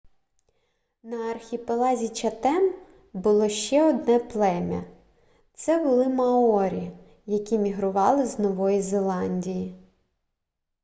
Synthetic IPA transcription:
nɐːrxʲipelˠɑzʲit͡ʃɐt̪ɛm | bʊlˠɔʃt͡ʃɛɔd̪nɛplˠɛmʲɐ̰ | t̪sɛbʊlˠɪmɐɔɾʲi | jɐkʲimʲiɦɾʊʋɑlˠɪznɔʋɔjizelˠɑnʲdʲiji

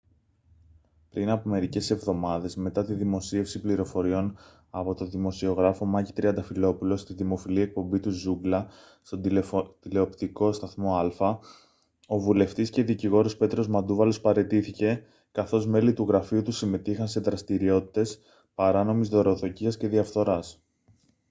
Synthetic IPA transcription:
pɾinɐpome̞ɾice̞se̞vðo̞mɐðe̞zme̞t̪ɐt̪iðimo̞sie̞fsipliɾo̞fo̞ɾio̞n | ɐpo̞t̪o̞ðimo̞sio̞ɣɾɐfo̞mɐʝit̪ɾiɐnd̪ɐfilo̞pulo̞st̪iðimo̞filiek̚po̞mbit̪uzuɡlɐ | st̪o̞d̪t̪ile̞o̞pt̪iko̞st̪ɐθmo̞ɐlfɐ | o̞vule̞ft̪isce̞ðiciɣo̞ɾospe̞t̪ɾo̞zmɐd̪uvɐlo̞spɐɾe̞t̪iθice̞ | kɐθo̞zme̞lit̪uɣɾɐfiut̪usime̞t̪ixɐnse̞ðɾɐst̪iɾio̞t̪i̥t̪e̞s | pɐɾɐno̞mizðo̞ɾo̞θo̞ciɐsce̞ðiɐfθo̞ɾɐs

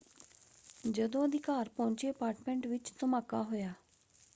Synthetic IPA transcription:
d͡ʒəd̪õːəd̪ɪkaːɾpɔ̃ːɲt͡ʃeːəpaːɾʈmɛ̃ːɳʈʋɪt͡ʃt̪əmaːkaːɦoːjaː

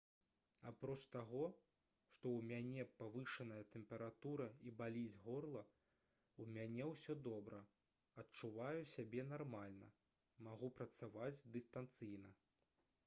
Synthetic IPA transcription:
apɾɔt͡ʂt̪aɣɔ | ʂt̪ɔwmʲanʲɛpavɨʂɐnɐjɐt̪ɛmpʲɛɾat̪uɾɐibalʲid͡zʲɣɔrlˠɐ | umʲanʲɛwsʲɔd̪ɔbɾɐ | ɐt͡ʂuvajusʲabʲɛn̪armalʲnɐ̰ | maɣupɾɐt̪savad͡zʲd̪ɨst̪ant̪sɨjnɐ

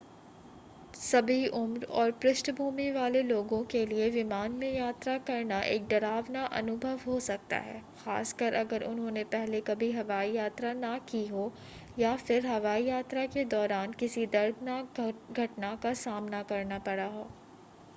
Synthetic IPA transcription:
sɐbʱiʔʊmɾɔːɾpɾɪʃʈbʱuːmiʋaːleloːɡõkelieʋɪmaːnmẽjaːt̪ɾakɐɾnaʔeːk̚d̪ɐɾaːʋnaʔɐ̰nʊbʱəʋɦosɐk̚t̪a̰ɦɛ̰ːxa̰ːskəɾʔɐɡəɾʊ̰nɦõnepɛɦlekɐbʱiɦɐʋaːijaːt̪ɾanakiɦoː | jafɪɾɦɐʋaːijaːt̪ɾaked̪ɔːɾaːnkɪsid̪ɐɾd̪ʱnaːk̚ɡʱɐʈnakasaːmnakɐɾnapɐɽaɦoː

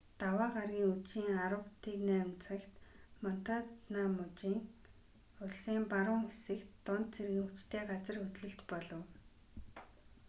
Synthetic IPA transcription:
t̪awaːɢarɣʲiːŋuiːŋaɾə̆wt̪iːknæːmt͡sə̆kt̪mɔn̥t̪atnaːmʊt͡ɕiːŋ | ʊɮsiːmpaɾʊːŋxesɘ̆kt̪ːʊnt̪t͡sʰerɣɘ̆ŋut͡ɕt̪ʰeːɢat͡sə̆rxɵt̪ɮɘ̆ɬt͡ɕpɔɮɞ̆w

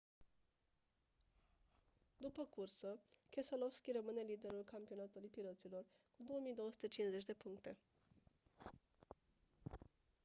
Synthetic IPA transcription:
d̪upəkursəkʲe̞səlo̞fskʲirəmɨne̞lid̪e̞ɾulkampio̞nat̪ulujpilot̪silo̞rkud̪o̞womijd̪o̞wəsu̥t̪et͡ʃinze̞t͡ʃʲd̪e̞puŋkt̪e̞

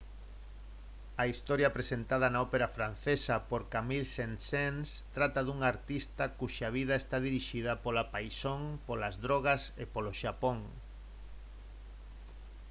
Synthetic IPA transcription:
ɐist̪oɾjɐpɾesent̪að̞ɐnaopeɾafɾan̟θesɐpoɾkamilsensenst̪ɾat̪ɐðuŋaɾt̪ist̪ɐkuʃaβ̞ið̞ɐest̪aðiɾiʃið̞ɐpolapajsoŋpolazðɾoɣ̞ɐsepoloʃapoŋ

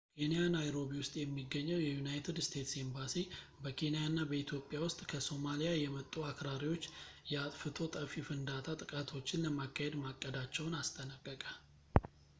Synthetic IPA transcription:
kʰe̞nijanajɾo̞βiwʊst̪ʼjɛmːiɡːəɲːɛwjɛjunajt̪ʰɨd̪st̪ʰe̞t̪se̞mbasibəkʰe̞nijanːabəit̪ʰjo̞pʼːjawʊst̪ʼkʰəso̞malijajɛmət̪ʼːuakɾaɾiwo̞t͡ʃːjɛat̪ʼfɨt̪ʰo̞t̪ʼəfifɨnd̪at̪ʰat̪ʼɨkʼat̪ʰo̞t͡ʃːɪnləmakʰːahed̪makʼːəd̪at͡ʃːɛwnast̪ʰʼənakʼːəkʼal

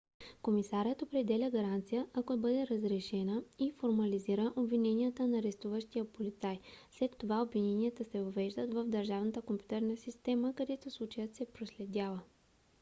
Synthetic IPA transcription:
komisaɾʲət̪opɾɛd̪ɛlʲəɡɐɾant̪sijəʔakobɤd̪ɛɾəzɾɛʃɛnəifoɾmɐliziɾəʔobvinɛnijət̪ənɐɾɛst̪uvəʃt̪ijəpolit̪sajslɛt̪ːovaobvinɛniət̪əsɛvɐvɛʒd̪ət̪vəvd̪əɾʒavnət̪əkompʲjut̪ɛɾnəsist̪ɛməkɐd̪ɛt̪oslˠut͡ʃəjət̪sɛpɾoslɛd̪ʲavə

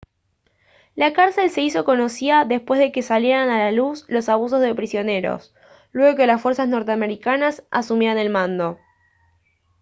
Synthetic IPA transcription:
lakaɾse̞lseiso̞ko̞no̞siaðe̞spwe̞zðe̞ke̞saljeɾanalaluslo̞saβ̞us̬o̞zðe̞pɾisjo̞ne̞ɾo̰s | lwe̞ɣo̞ke̞lasfweɾsasno̞ɾt̪eame̞ɾikanasa̰sumjeane̞lmãnd̪o̞

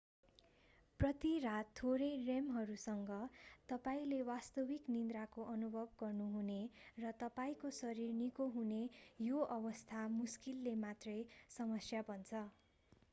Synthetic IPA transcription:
prʌt̪irat̪ʰːoɾʌjremɦʌɾusʌŋɡʌt̪ʌpaĩlewast̪ʌbiknind̪rakoʔʌnubʱʌbɡʌrnuɦunerʌt̪ʌpaĩkosʌɾirnikoɦunejoʔʌbʌst̪ʰamuskilːemat̪rʌjsʌmʌsjabʌnt͡sʰʌ

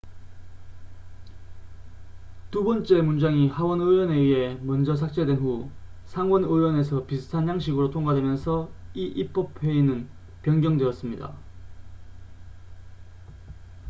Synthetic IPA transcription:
tubʌnt͡ɕ͈e̞mund͡ʑaŋihawʌnɯwʌne̞ɥiɦe̞mʌnd͡ʑʌsʰak̚t͡ɕ͈edwenɸusʰaŋwʌnɯwʌne̞sʰʌpiɯ̥tʰanjaŋɕ̬ʰiɡɯɾotʰoŋɡadwe̞mjʌnsʰʌiʔip͈ʌp̚ʰwe̞inɯn | pjʌŋɡjʌŋdwe̞ʌs͈ɯmɲida̰

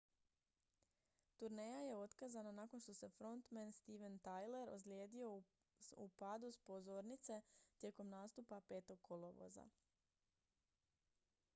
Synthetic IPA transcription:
t̪uɾne̞jaje̞o̞t̪kazananako̞nʃt̪o̞se̞fɾo̞nt̪menst̪iʋent̪ajle̞ɾo̰slje̞ːd̪io̞ | upad̪uspo̞zo̞ːɾnit̪se̞t̪je̞ko̞mnaːst̪upape̞ːt̪o̞ɡ̚kʰːolˠoʋo̰za̰

